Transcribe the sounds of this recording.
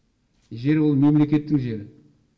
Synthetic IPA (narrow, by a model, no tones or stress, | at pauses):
ʒe̞ɾwolˠme̞mle̞kʲe̞t̪ːɪŋʒe̞ɾɪ